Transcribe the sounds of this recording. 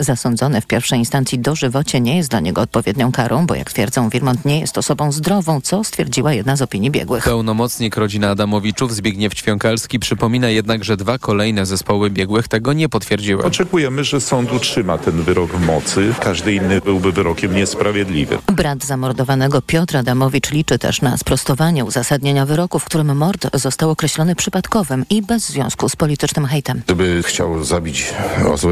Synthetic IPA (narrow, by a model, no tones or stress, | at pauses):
zasɔnd̪zɔnɛfpʲjɛɾfʂɛjinst̪ant̪sʲid̪ɔʐɘvɔt͡ɕɛɲɛjɛst̪laɲɛɡɔːt̪̚pɔvʲjed̪ɲɔ̃w̃kaɾʔɔ̃w̃bɔ̰ja̰kt̪fʲjɛ̰ɾd̪zɔ̃w̃vʲiɾmɔnt̪ɲɛjɛ̰st̪ɔsɔbɔ̃w̃zd̪ɾɔvɔ̃w̃t̪sɔst̪fʲjɛɾd͡ʑiwajɛd̪nazɔpʲiɲjibʲjɛ̰ɡwɘpɛwnɔmɔt̪sɲikɾɔd͡ʑinaːd̪amɔvʲit͡ʂuvzbʲjiɡɲɛft͡ɕfʲjɔŋkalskʲipʂɘpɔmʲinajɛd̪naɡʐɛd̪vakɔlɛjnɛzɛspɔwɘbʲjɛɡwɘxt̪ɛɡɔɲɛpɔt̪fʲjɛɾd͡ʑiwɛ̰ɔmt͡ʂɛkujɛmɘʐɛsɔnt̪utʂɘmat̪ɛnvɘɾɔɡvmɔt̪sɘkaʐd̪ɘinːɘbɘwbɘvɘɾɔkʲɛmɲɛspɾavʲjɛd̪lʲḭvɘ̰bɾad̪zamɔɾd̪ɔvanɛɡɔpʲjɔt̪ɾad̪amɔvʲit͡ʂlʲit͡ʂɘt̪ɛ̰ʂna̰spɾɔst̪ɔvaɲɛuzasad̪ɲeɲavɘɾɔkufkt̪uɾɘmːɔɾt̪zɔst̪awɔkɾɛɕlɔnɘpʂɘpat̪kɔvɘmibɛzːvʲjɔ̰̃w̃skuspɔlʲit̪ɘt͡ʂnɘmxɛjt̪ɛmd̪ɘbɘxt͡ɕa̰wzabʲit͡ɕɔ̰zwɛ